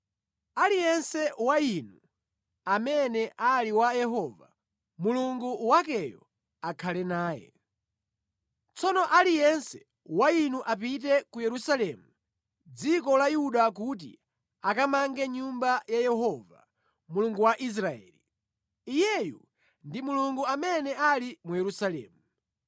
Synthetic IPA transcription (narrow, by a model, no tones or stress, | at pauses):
alijɛnsɛwainu | amɛnɛʔaliwajɛɦɔva̰ | muluŋɡuwak̬ɛjɔ̰ | akʰalɛnaːjɛ̰ | t͡sɔnɔʔalijɛnsɛ̥ | wainuʔap̬it̬ɛkujɛɾusalɛmu | d͡zikɔlajuɗak̬ut̬ḭ | akamaŋɡɛɲumbajajɛɦɔva̰ | muluŋɡuwaʔis̬ɾaɛ̰ːli | ijɛjṵ | ndimuluŋɡuamɛnɛalimujɛɾusalɛ̰ːmu